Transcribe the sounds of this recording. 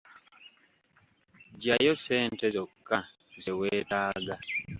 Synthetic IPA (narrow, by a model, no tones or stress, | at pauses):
ɟajo̞seːntezokːa | zeweːtaːɡa